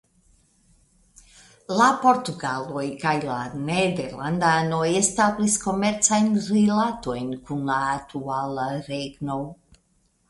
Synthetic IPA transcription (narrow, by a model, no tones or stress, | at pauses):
lapo̞ɾt̪uɡalojkajlaned̪eɾland̪anojest̪ablisko̞meɾt̪sajnrilat̪ojnkunlaːt̪ʰualaɾeɡnow